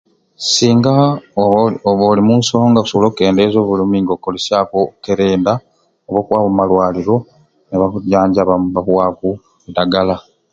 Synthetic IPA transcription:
siːŋɡa | oβolimunso̞ːŋɡausoloke̞ːndezo̞ːβulimiŋɡokːolesjaːkoke̞ɾe̞ːnda | oβoːkwaːβomalwaːliɾo̞ | neβauɟaːɲɟaβaβahwaːku | daɡala

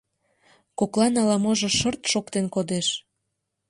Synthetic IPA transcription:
koklɑnɑlɑmoʒŏʃərt̪ʃokt̪enkod̪eʃ

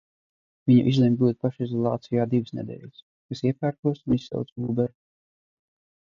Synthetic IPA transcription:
viɲa̰ʔizlʲɛmʲbuːd̪̚paʃizɔlˠɑːt̪sʲijaːd̪ivɨsnɛ̰d̪ɛ̰ːʎʲs | kasiɛpʲæːɾkuɔsunisːa̰wt̪sɡuːbɛɾ

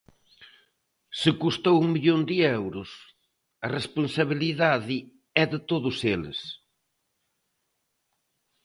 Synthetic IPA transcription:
sɪkust̪owuŋmiʎond̪iɛwɾʊs | ɐresponsaβiliðaðɪ | ɛðɪt̪oðʊselɪ̰s

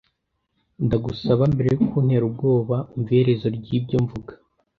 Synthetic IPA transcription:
ndaɡusaβambe̞ɾe̞jukʰun̥he̞ɾub̚ɡo̞ːβauɱve̞ɾe̞zo̞ɾɟiːbɟo̞ɱvuɡḁ

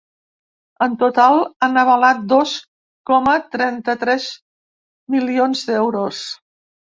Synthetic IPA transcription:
ənt̪ut̪alˠanəβəlat̪̚d̪ɔs | kɔmət̪ɾɛnt̪ət̪ɾɛz | milionzd̪ɛwɾos

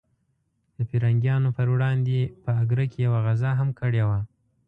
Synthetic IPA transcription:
d̪̥əpiɾaŋɡjɑnopəɾwɽɑnd̪epəaɡɾakejawaɣazaɦamkəɽewa

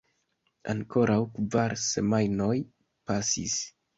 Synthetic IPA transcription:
a̰ŋko̞ɾʔawkvaɾse̞majnoj | pasḭs

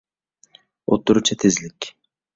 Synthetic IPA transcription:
ot̪ːuɾut͡ʃʰat̪ʰezlɪkʲ

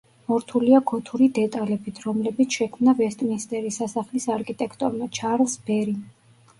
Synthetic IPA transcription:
mɔɾt̪ʰuliaɡɔt̪ʰuɾid̪ɛt̪ʼalɛbit̪ʰɾɔmlɛbit̪sʰʃɛkʰmnavɛst̪ʼminst̪ʼɛɾisasaχlisaɾkʰit̪ʼɛkʰt̪ʼɔɾmat͡ʃʰaɾlsbɛɾi

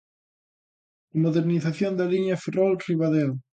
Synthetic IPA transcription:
moðeɾniθaθjond̪aliɲaferolriβaðew

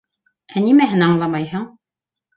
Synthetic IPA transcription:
ænimæɦɘnɑɴlˠɑmɑjhɤɴ

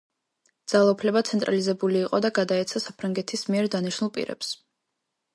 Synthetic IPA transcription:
d̪z̥alˠaupʰlɛbat̪sʰɛnt̪ʼɾalizɛbuliːqʼɔd̪aɡad̪aɛt̪sʰasapʰɾaŋɡɛt̪ʰismiɛɾd̪aniʃnulˠpʼḭɾɛ̰ps

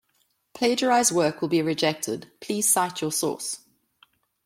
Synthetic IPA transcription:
pʰl̥eɪd͡ʒəɹaɪzwɜːˑkwəlˠbiɹɪd͡ʒɛk̚tʰə̰d̥pʰl̥iːz̥saɪtʰjəsɔ̰ˑs

